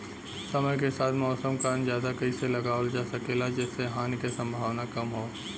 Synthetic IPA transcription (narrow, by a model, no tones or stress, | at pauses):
sɐməjk̬esaːt̪ʰmɔːsəmkaːnzjaːd̪akɐiselɐɡaːld͡ʒaːsɐkelad͡ʒɛːsːeɦaːnkesɐ̃mbʱaːʋnakɐmɦoː